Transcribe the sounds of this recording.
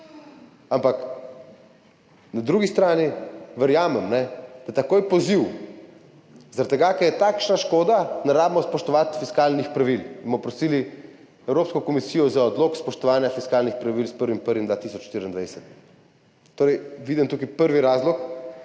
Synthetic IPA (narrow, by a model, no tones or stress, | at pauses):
ampak | nad̪ɾuɡist̪ɾaːniʋɛɾjaːmɛmnɛd̪̥at̪akoːjpɔziw | zaɾat̪ːɛɡakɛɾjɛt̪aːkʃnaʃkoːd̪anaɾaːbmɔspɔʃt̪ɔʋat̪fiskaːlnixpɾaʋilmɔpɾɔsiːli | ɛwɾopskɔkɔmisiːjɔzaɔd̪loːkspɔʃt̪ɔʋaːnjafiskaːlnixpɾaʋilspəɾʋimpəɾʋimd̪ʋaːt̪iːsɔt͡ʃʃt̪iɾind̪ʋajsɛt̪ː | oːɾɛjʋiːd̪imt̪uːkipəɾʋiɾaːzlɔk